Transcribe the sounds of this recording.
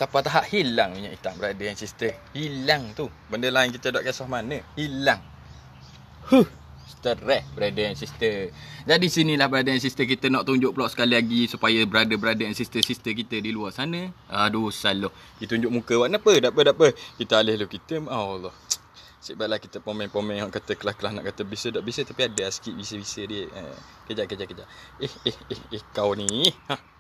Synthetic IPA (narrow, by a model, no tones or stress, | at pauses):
t̪apat̪aɦaʔhilaŋmiɲa̰ʔit̪aŋbəɾadəjaŋsist̪əhilaŋt̪ubəndəlaɪnkit̪ədaʔkasɔhmanəhilaŋ | huh | st̪əɾɛhbəɾadəjaŋsist̪əd͡ʒadisinilahbəɾadajansist̪əkit̪ənɔʔt̪uɲd͡ʒʊʔpəlɔʔsə̥kaliaɡisupajəbəɾadəbəɾadəjaŋsist̪əsist̪əkit̪ədiluasanəadusaloh | ɡit̪uɲd͡ʒʊʔ̚mukəwaʔnapədapədaʔpəkit̪əalɪhlukit̪əmalɔh | sibaʔlahkit̪əpomɛ̃ŋpomɛ̃ŋaʔkat̪əklahkəlahna̰ʔkat̪əbisədaʔbisət̪apiadəaskiʔbisəbisədiəʔə̰ | kəd͡ʒaʔkəd͡ʒaʔkəd͡ʒaʔ | ehehehehkawnĩa